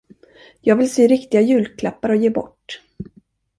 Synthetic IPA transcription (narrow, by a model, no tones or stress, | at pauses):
jɑːɡvɪlseːɾɪkt̪ɪɡajʉ̟ːlkʰlapːaɾɔjeːbɔ̰ʈː